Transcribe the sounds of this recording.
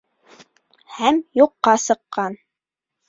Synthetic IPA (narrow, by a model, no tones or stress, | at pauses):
hæmjuqːɑsɤ̆qːɑn